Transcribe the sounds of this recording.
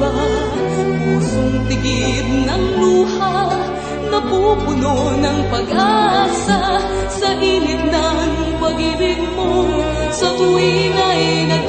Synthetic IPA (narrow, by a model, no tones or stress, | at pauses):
a | puːsoŋt̪ɪɡɪd̪̚nɐŋluːha | nɐpupʊnonɐŋpɐɡʔaːsa | sɐʔiːnɪt̪̚nanʊŋpɐɡɪɾɪɡmo | sɐt̪ʊwinajnɐ